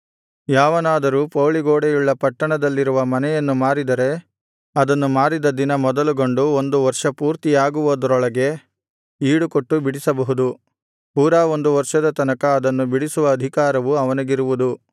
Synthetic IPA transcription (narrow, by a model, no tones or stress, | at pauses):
jaːʋɐnaːd̪ɐɾuːpoːɭiɡoːɽejuɭːɐpɐʈːɐɳɐd̪ɐlːiɾuʋɐmɐnɛjɐnːumaːɾid̪ɐɾe̞ | ɐd̪ɐnːumaːɾid̪ɐd̪inɐmɔd̪ɐluɡo̞ɳɖuond̪uʋɐɾʂɐpuːɾt̪ijaːɡuʋɐd̪ɾɔɭɐɡe̞ | iːɽukoʈːubiɽisɐbɐɦud̪u | puːɾaːo̞nd̪uʋɐɾʂɐd̪ɐt̪ɐnɐkɐːd̪ɐnːubiɽisuʋɐːd̪ʱikaːɾɐʋuɐʋɐnɐɡiɾuʋud̪u